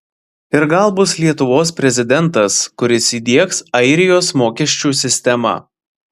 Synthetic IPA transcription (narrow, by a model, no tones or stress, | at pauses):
ɪɾɡɐlˠbʊslʲiɛt̪ʊʋoːspʲɾʲɛzʲɪd̪ʲɛnˑt̪ɐskʊɾʲɪsiːd̪ʲiɛksɐɪɾʲɪjoːsmoːkʲiɛʃʲt͡ʃʲuːsʲɪsʲt̪ʲɛmɑ̰